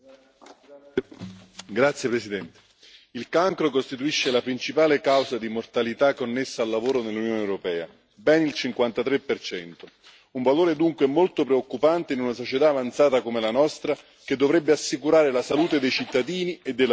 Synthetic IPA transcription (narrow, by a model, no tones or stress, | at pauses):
ɡɾat̪sːjepɾesid̪ɛnt̪e̥ | ilkaŋkɾokost̪it̪uiʃːelapɾint͡ʃipaːlekawzad̪imort̪alit̪akːonːesːaːlːavoːɾonelːunjoːnewɾopɛːa̰ | bɛnilt͡ʃiŋkwant̪at̪ɾepːert͡ʃɛnt̪o | uɱvaloːɾed̪uŋkweɛmːolt̪opɾeokːupant̪einunasot͡ʃet̪aːvant̪saːt̪akomelanɔst̪ɾa | k̟ed̪ːovɾɛbːeasːikuɾaːɾelasaluːt̪ed̪ejt͡ʃit̪ːad̪iːnied̪ːel